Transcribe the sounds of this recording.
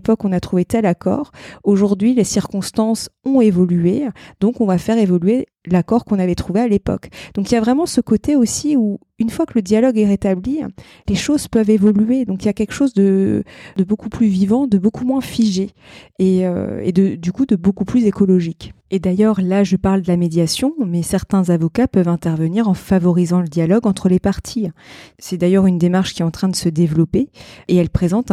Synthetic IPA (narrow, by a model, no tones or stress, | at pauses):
pɔkɔ̃nat̪χuvet̪ɛlakɔ̰ːʁoʒuʁd̪ɥilesiʁkɔ̃st̪ɑ̃sɔ̃evɔlyed̪̥ɔ̃kɔ̃vafɛʁevɔlɥe | lakɔʁkɔ̃navɛt̪χuvealepɔ̰kd̪̥ɔ̃kiljavʁɛmɑ̃səkot̪eosiu | ynfwakələd̪jalɔɡɛʁet̪abli | leʃozpœvevɔlyed̪ɔ̃kiljakʲɛlkʃozd̪əd̪əbokuplyvivɑ̃d̪əbokumwɛ̃fiʒe | eø̰ḛd̪əd̪ykud̪əbokuplyzekɔlɔʒiked̪ajœʁlaʒəpaʁld̪əlamed̪jasjɔ̃mɛsɛʁt̪ɛ̃zavɔkapœvɛ̃t̪ɛʁvəniʁɑ̃favɔʁizɑ̃ləd̪jalɔɡɑ̃t̪χəlepaʁt̪ʰisɛd̪ajœʁynd̪emaʁʃkʲiɛt̪ɑ̃t̪χɛ̃d̪əsəd̪evlɔpeeɛlpχezɑ̃t̪